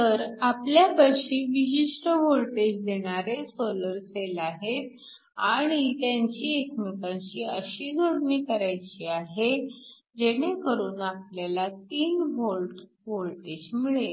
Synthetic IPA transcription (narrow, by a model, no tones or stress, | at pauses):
t̪əɾapljabəɕiːʋiɕiʂʈəʋolʈed͡ʑd̪eɽ̃aɾesoləɾselaɦet̪̚ | aɽ̃it̪jaɲt͡ɕiːekmikãɲt͡ɕiːəɕiːd͡zʱoɽɳiːkəɾajt͡ɕiːaɦe | d͡ʑeɽ̃ekəɾuːnap̚ljalat̪iːnbolʈ | ʋolʈed͡ʑmiɭe